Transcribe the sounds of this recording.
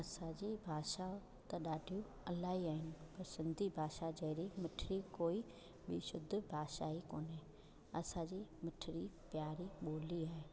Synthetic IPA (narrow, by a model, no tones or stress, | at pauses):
ɐsãːd͡ʒiːbʱaːʃa | t̪aɗaːɖʱijũ | ɐlaːiaːɦɪnɪ̆pɐɾsɪ̃nd̪ʱibʱaːʃad͡ʒɐːɾimɪʈʰɾikoːi | ɓiʃʊd̪ʱːbʱaːʃaːikoːneː | ɐsãd͡ʒimɪʈʰɪɾipjaːɾiɓoːliaːe